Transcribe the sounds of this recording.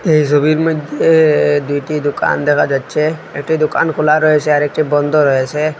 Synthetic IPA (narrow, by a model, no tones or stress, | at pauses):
eɦisɔbiɾməd̪ʱed̪ujʈid̪uka̰nd̪ekʰad͡ʒat̪ːt͡ʃʰeekʈid̪uka̰nkʰolaɾɔɦet͡ʃʰeaɾek̚ʈibɔnd̪ʱɔɾɔɦet͡ʃʰe